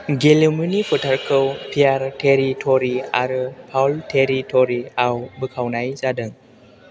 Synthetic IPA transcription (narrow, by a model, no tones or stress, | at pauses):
ɡelimunipʰɯtʰaɾkʰɯwpʰijaɾtʰeɾitʰoɾiaɾɯpʰawltʰeɾitʰoɾiawbɯkʰawnajzadɯŋ